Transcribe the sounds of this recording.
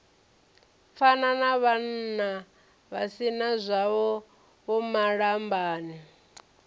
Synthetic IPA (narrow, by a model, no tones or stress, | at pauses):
fananaβan̩na | βasinazʷaβɔ | βɔmaɺambaːni